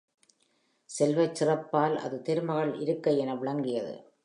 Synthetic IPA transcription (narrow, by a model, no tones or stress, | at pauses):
sɛlʋɐɪt͡ʃsɪrɐpːaːlʔɐ̰ðɯt̪ɛɾɯmɐɣɐɭɪ̰ɾɯkːɐɪɛnɐʋɪɭɐŋɡɪjɐðɯ̰